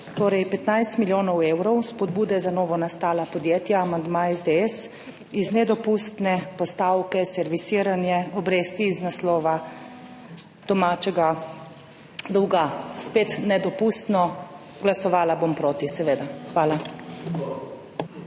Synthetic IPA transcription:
t̪oːɾɛjpɛt̪najst̪miljoːnɔweːwɾɔwspɔd̪buːd̪ɛzanɔːʋɔnast̪aːlapɔd̪jeːt̪jaːmand̪maɛzd̪eɛs | iznɛd̪ɔpuːst̪nɛpɔst̪aːwkɛsɛɾʋisiɾanjɛɔbɾeːst̪iːznaslɔːʋa | d̪̥ɔmaːt͡ʃɛɡa | d̪ɔwɡaspeːt̪nɛd̪ɔpust̪nɔ | ɡlasɔʋaːlabompɾoːt̪isɛʋeːd̪axʋaːla

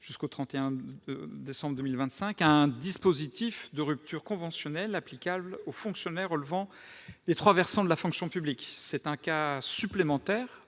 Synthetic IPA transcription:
ʒ̥yskot̪χɑ̃t̪eɛ̃ | d̪esɑ̃bʁd̪əmilvɛ̃t̪sɛ̃kɛ̃d̪ispozit̪ifd̪əʁyp̚t̪ʰyʁkɔ̃vɑ̃sjɔnɛlaplikʲablofɔ̃ksjɔnɛʁɔlvɑ̃ | d̪et̪χwavɛʁsɑ̃d̪əlafɔ̃ksjɔ̃pybliksɛt̪ɛ̃kasyplemɑ̃t̪ɛːʁ

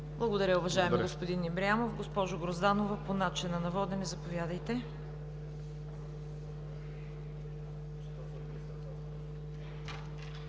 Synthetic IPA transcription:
blˠɐɡod̪ɐɾʲəʊvɐʒaɛmiɡospod̪inːɛbɾiamofɡospɔʒoɡɾozd̪anovɐponat͡ʃɪnɐnɐvɔd̪ɛnɛzɐpovʲjad̪əjt̪ɛ

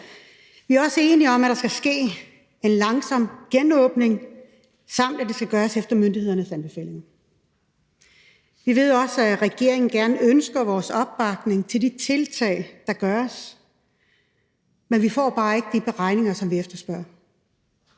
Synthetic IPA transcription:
ʋiæɐɒ̽səe̝ːniɒ̽mæɾ̥ɑ̈sɡ̥æsɡ̥e̝̰ː | e̝nlɑ̈ŋsɒ̽m̰̥ɡ̥enɔːb̥ne̝ŋ | sɑ̈m̰d̥æd̥e̝sɡ̥æɡ̥ɶːɐsefd̥ɐmønd̥ihe̝ð̰ˠɐnəsænb̥e̝fɛ̰ːle̝ŋn̩ | ʋiʋe̝ð̞̰ˠɒ̽sæʁɛɡ̥e̝ɐ̰e̝ŋn̩ɡ̥æɐnəønsɡ̥ɐʋɒːsɒ̽b̥ːɑ̈ɡ̥ne̝ŋt͡sʰe̝ld̥it͡sʰe̝lt͡sʰɛ̰ɪd̥ɑ̈ɡ̥ɶːɐs | menʋifɒ̰ːb̥ɑ̈ːe̝ɡ̥əd̥ib̥eʁɑ̈ɪne̝ŋɐsɒ̽mʋiefd̥ɐsb̥ɶɐ̰

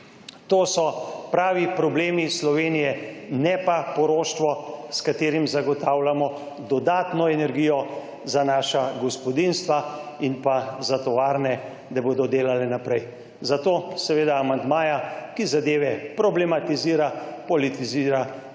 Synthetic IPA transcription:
t̪oːsɔpɾaːʋipɾɔbleːmislɔʋeːnijɛnɛpapɔɾoːʃt̪ʋɔskat̪eːɾimzaɡɔt̪aːwlamɔ | d̪ɔd̪aːt̪nɔɛnɛɾɡiːjɔ | zanaːʃaɡɔspɔd̪inst̪ʋainpazat̪ɔʋaːɾnɛ | d̪aboːd̪ɔd̪eːlalɛnapɾɛj | zat̪oːsɛʋeːd̪aːmand̪maːjakizad̪eːʋɛpɾɔblɛmat̪iziːɾapɔlit̪iziːɾa

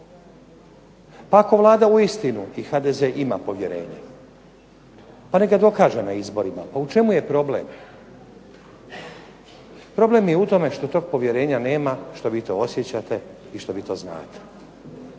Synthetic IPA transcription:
paːko̞ʋlˠaːd̪auist̪inuixad̪ezeʔima̰po̞ʋje̞ɾe̞̰ːɲa | pane̞ɡad̪o̞kaːʒenaizbo̞ɾima̰paut͡ʃe̞muje̞pɾo̞blḛm | pɾo̞ble̞mjeut̪o̞me̞ʃt̪o̞t̪o̞ːɡ̚po̞ʋjeɾe̞ːɲane̞ːmaʃt̪o̞ʋiːt̪o̞̰osjet͡ɕat̪e̞ | iʃt̪o̞ʋiːt̪o̞ːzna̰ːt̪e̥

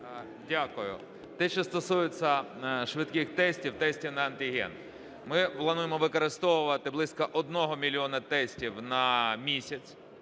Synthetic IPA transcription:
dʲakʊjʊ̰ | t̪ɛt͡ʃɛst̪ɔsujɪt͡sʲːɐ | ʃʋɪt̪kɪxt̪ɛsʲtʲiwt̪ɛsʲtʲiwnɐɐnt̪ʲɪɦɛ̰n | mɪplˠɐnujemɔʋɪkɔɾɪst̪ɔʋʊʋɐt̪ɪblˠɪsʲkɐʔɔd̪̚nɔɦɔmʲilʲiɔnɐt̪ɛsʲtʲiwnɐmʲisʲɐt͡sʲ

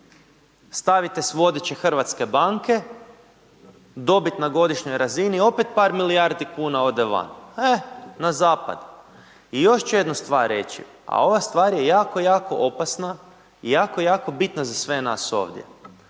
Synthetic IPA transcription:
st̪aʋit̪e̞sʋo̞d̪et͡ɕe̞xr̩ʋat̪ske̞baŋke̞ | d̪o̞bit̪naɡo̞d̪iʃɲo̞jɾazinio̞pet̪̚paːɾmilijaɾd̪ikuːnao̞d̪eʋa̰nenazaːpa̰d̪ | ijo̞ʃt͡ʃujed̪nust̪ʋaːɾɾḛt͡ʃḭ | a̰o̞ʋast̪ʋaːɾjejaːko̞jaːko̞̰ʔo̞pasna | ijaːkojaːko̞bit̪nazasʋe̞na̰ːso̞̰ːʋd̪jḛ

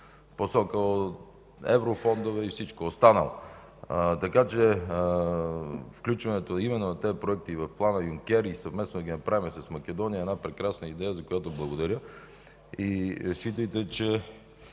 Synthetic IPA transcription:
posɔkəot̪ | ɛ̰vɾofɔnd̪ovɛifsit͡ʃkoost̪anə̰lˠɐ̰ | t̪ɐkat͡ʃɛ | fklʲut͡ʃvɐnɛt̪oimɛnːonɐt̪ɛpɾoɛk̚t̪ivɐfplˠanəjuŋkʲɛɾisɐvmɛsnod̪ɐɡʲinɐpɾavimɛsɐsmɐk̟ɛd̪ɔnijəɛdnapɾɛkɾasnəid̪ɛjəzɐkojat̪oblˠɐɡod̪ɐɾʲjə | iʃt͡ʃit̪əjt̪ɛt͡ʃɛ

